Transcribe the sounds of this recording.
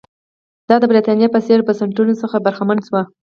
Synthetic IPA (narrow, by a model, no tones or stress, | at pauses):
d̪̥ɑd̪əbɾit̪ɑnjɑpəseɾbasaɳʈunosəxabaɾxamanswa